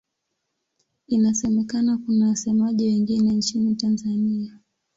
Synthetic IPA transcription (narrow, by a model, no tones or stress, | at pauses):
inasɛmɛkanakunawasɛmaʄiwɛŋɡinɛnt͡ʃinitanzania